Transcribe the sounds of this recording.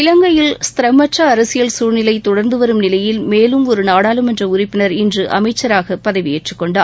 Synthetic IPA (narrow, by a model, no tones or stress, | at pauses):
ɪlɐŋɡɐjɪlst̪ɪɾɐmːɐʈrɐːɾɐsɪjɐlsuːɾnɪlɐɪt̪ɔɽɐɾnd̪ɯʋɐɾɯmnɪlɐjɪlmeːlɯmɔɾɯnaːɽaːlɯmɛndrɐʊɾɪpːɪnɐɾɪndrɯʔɐ̰mɐɪt͡ʃːɐɾaːɣɐpɐðɐʋɪeʈrɯkːɔɳɖaː